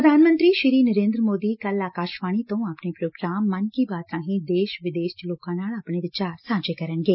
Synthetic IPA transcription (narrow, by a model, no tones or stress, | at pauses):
ɾəd̪ʱaːnmə̃nt̪ɾiːʃɪɾiːnəɾẽːnd̪ɾəmoːd̪iːkɐlaːkaːʃʋaːɽ̃it̪õːapnepɾoːɡɾaːmːɐnkibaːt̪ãːɦĩd̪eːʃʋɪd̪eːʃt͡ʃloːkãːnaːlapɳeːd̪et͡ʃaːɾsãːd͡ʒeːkɐɾənɡeː